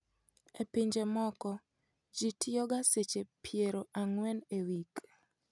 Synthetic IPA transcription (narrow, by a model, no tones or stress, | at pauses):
epiɲd͡ʒemɔkɔ | d͡ʒitʰɪɔɡaset͡ʃepʰjeɾoʔaŋwɛnewik